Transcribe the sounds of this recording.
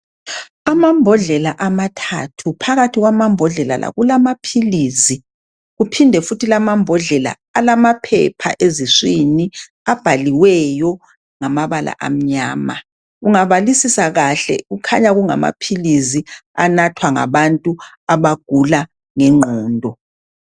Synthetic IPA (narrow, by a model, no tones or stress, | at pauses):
amambʱɔɮɛlaʔamatʰatʰupʰaɣatʰiɣwamambʱɔɮɛla̰la̰ɣulamapʰilizi | ɣupʰindʱɛfutʰilamambʱɔɮɛla̰ːlamapʰɛ̰pʰa̰ʔeziswini | ab̥ʱaliwɛjɔ | ŋamaβala̰ʔa̰m̩ɲaːma | uŋaβalisisaɣaɬɛ̰ɣukʰaɲaɣuŋa̰ma̰pʰilizia̰natʰwaŋa̰βantʼu | aβaɡ̥ʱula | ŋɛŋ͡ǃʱɔːndʱɔ